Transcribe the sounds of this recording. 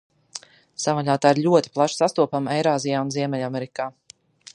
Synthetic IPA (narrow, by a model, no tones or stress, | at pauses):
savaʎʲaːt̪aːiɾʎʲuɔt̪i̥plˠaʃsast̪uɔpamɛjɾaːzijaːunziɛmɛʎʲamɛɾikaː